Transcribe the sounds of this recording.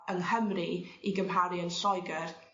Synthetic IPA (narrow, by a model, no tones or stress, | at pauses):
ənhəmriiɡəmɦaɾiənɬɔjɡər